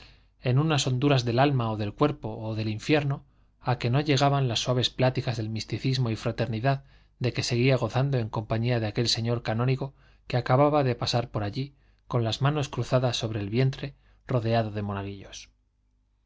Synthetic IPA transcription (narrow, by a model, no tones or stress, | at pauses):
e̞nunaso̞nd̪uɾazðe̞lalmaoðe̞lkwe̞ɾpo̞ːðe̞liɱfje̞ɾno̞ | ake̞no̞ʎe̞ɣ̞aβanlasːwaβe̞splat̪ikazðe̞lmist̪iθizmo̞ifɾat̪e̞ɾniðað | d̪e̞ke̞se̞ɣ̞iaɣ̞o̞θand̪o̞e̞ŋko̞mpaɲiaðeake̞lse̞ɲo̞ɾkanõ̞niɣo̞ | keakaβaβaðe̞pasaɾpo̞ɾaʎi | ko̞nlazmano̞skɾuθaðasːo̞βɾe̞ːlβje̞nt̪ɾe̞ | ro̞ðe̞aðo̞ð̞e̞mo̞naɣ̞iʎo̞s